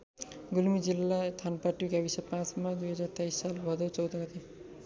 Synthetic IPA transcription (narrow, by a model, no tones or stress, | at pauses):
ɡulmid͡zilːat̪ʰanpaʈːuɡabisʌpãt͡smad̪ujɦʌd͡zaɾt̪ajsːalbʱʌd̪ʌwt͡sʌwd̪ʌɡʌt̪ʰe